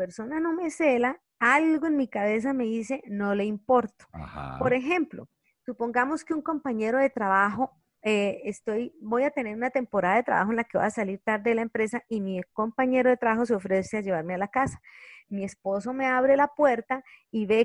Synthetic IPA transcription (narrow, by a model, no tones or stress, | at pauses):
peɾso̞nano̞me̞se̞la | alɡoe̞nmikaβe̞s̬ame̞ðise̞no̞le̞impo̞ɾt̪o̥po̞ɾe̞xe̞mplo̞̰ | supo̞ŋɡamo̞skeuŋko̞mpaɲe̞ɾo̞ðe̞t̪ɾaβaxo̞ | eest̪o̞jbo̞jat̪e̞ne̞ɾunat̪e̞mpoɾaðaðe̞t̪ɾa̰βaxoenlakeβa̰asaliɾt̪aɾd̪e̞ðelaempɾe̞saimiko̞mpaɲe̞ɾo̞ðe̞t̪ɾaβaxos̬eo̞fɾe̞sead͡ʒe̞βaɾmealakasḁmie̞spo̞so̞me̞aβɾe̞lapwe̞ɾt̪aiβe